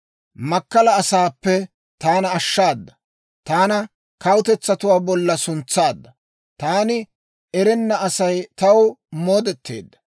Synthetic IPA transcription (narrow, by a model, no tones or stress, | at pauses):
mɐkːɐlɐːsaːpːɛ | t̪aːnɐːʃːaːd̪ːɐ | t̪aːnɐ | kɐwʊt̪ɛt͡sːɐt̪ʊwaːbɔlːɐsʊnt͡sːaːd̪ːɐ | t̪aːnɪ | ɛɾɛnːɐɐsɐjt̪ɐwmo̞ːd̪ɛt̪ʰːḛːd̪ːɐ̥